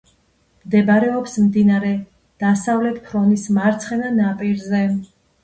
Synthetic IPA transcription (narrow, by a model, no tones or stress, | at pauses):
md̪ɛbaɾɛɔpsmd̪inaɾɛ | d̪̥asavlɛt̪ʰpʰɾɔnismaɾt̪sʰχɛnanapʼiɾzɛ